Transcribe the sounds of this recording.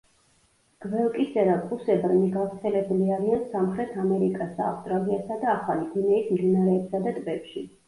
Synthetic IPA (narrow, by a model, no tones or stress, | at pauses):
ɡ̥vɛlˠkʼisɛɾapʼusɛbɾniɡavɾt̪sʰɛlɛbuliaɾiansamχɾɛt̪ʰamɛɾikʼasa̰fst̪ʼɾaliasad̪aːχaliɡinɛismd̪inaɾɛːpsad̪at̪ʼvɛpʃi